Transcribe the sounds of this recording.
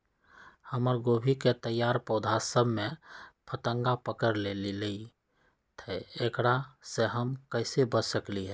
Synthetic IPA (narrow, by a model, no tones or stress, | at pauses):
həməɾɡoːbʱiket̪əjːaːɾpɔːd̪ʱasəbʱmẽpʰət̪ə̃ŋɡapəkəɾlelilei | t̪ʰɛekɽaseɦəmkəɪsebəsəkliɦɛː